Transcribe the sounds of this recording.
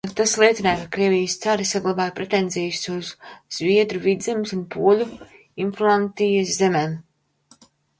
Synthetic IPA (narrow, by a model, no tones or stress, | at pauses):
at̪aslˠiɛt̪sinaːkakɾiɛvʲijst̪saɾisaɡlˠabaːjpɾet̪enzʲɛjusuzz̥viɛd̪ɾuvid̪zɛmsunpʰuɔlʲu | inflˠant̪ijaszemeːm